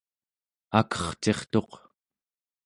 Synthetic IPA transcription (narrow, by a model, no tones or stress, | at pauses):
akʌ̥χt͡ʃe̞χt̪o̞q